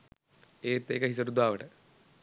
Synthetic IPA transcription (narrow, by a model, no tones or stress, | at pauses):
eːt̪ːḛːkɐɦis̬ɐɾud̪aːʋɐʈɐ